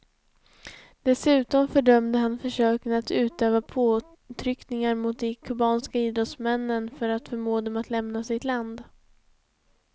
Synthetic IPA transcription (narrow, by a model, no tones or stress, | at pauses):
d̪̥ɛsʉ̟ːt̪ɔmfœɖœmd̪əɦanfœʂøːkənat̪ʉ̟ːt̪øːvapʰoː | t̪ʰɾʏknɪŋaɾmʊt̪̚d̪ɛkʰɵbɑːnskaiːd̪ɾɔt̪smɛnːənfœɾat̪fœɾmoːd̪ɔmat̪lɛmnasɪt̪land̪